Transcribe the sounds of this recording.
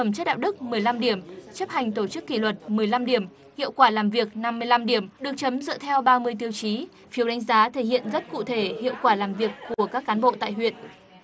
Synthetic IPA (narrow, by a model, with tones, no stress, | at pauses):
ə˧˩mt͡ɕə˦˥t̚ɗa̰ː˧˨wɗɨ˦˥k̚mɨ˨˩əjla˧mɗi˧˩əmt͡ɕə˦˥p̚ha˨˩jŋ̟t̪o˧˩t͡ɕɨ˦˥kːi˧˩lwə˨˩t̚mɨ˨˩əjla˧mɗi˧˩əm | hḭ˧˨əwkwaː˧˩laː˨˩mvi˨˩ək̚na˧mːɨ˧əjla˧mɗi˧˩əmɗɨ˨˩ək̚t͡ɕə˨˦mzə̰˧˨t̪ʰɛ˧wɓaː˧mɨ˧əjt̪̬i˧əwt͡ɕi˨˦ | fi˨˦əwɗa˨˦ŋ̟zaː˨˦t̪ʰe˧˩hḭ˧˨ənzə˦˥t̚kṵ˧˨t̪ʰe˧˩hḭ˧˨əwkwaː˧˩laː˨˩mvi˨˩əkːu˧˩əkaː˦˥kːaː˨˦nɓo̰˧˨t̪a̰ː˧˨jɦwḭ˧˨ənʔ